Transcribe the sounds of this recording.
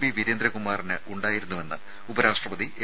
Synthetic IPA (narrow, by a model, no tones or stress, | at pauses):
biʋiɾend̪ɾɐkumaːrinɨʔuɳɖaːjiɾunːuʋe̞nːɐ̰ | ubɐɾaːʂʈrɐpɐðie